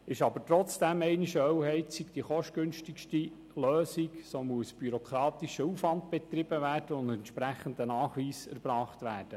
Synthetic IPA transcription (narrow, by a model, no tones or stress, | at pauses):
ɪʃɑbətɾɔt͡sd̥æmɛɪniʃəœwhɛɪtsikd̥iχɔʃtɡ̥ɵnʃtikʃti | løːsiksoːmuəsb̥yɾokʰɾɑːt̪iʃəuːfʋɑndb̥ɛt̪rɪb̥əvæːrd̥əʊndɛntʃpɾæχənd̪ənɑːχʋiːsɛ̰ɾbɾɑːχtʋæːɾd̥ə